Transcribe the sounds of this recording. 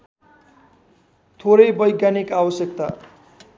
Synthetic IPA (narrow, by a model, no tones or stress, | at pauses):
t̪ʰoɾʌjbʌjɡjanikawʌsjʌk̚t̪a̰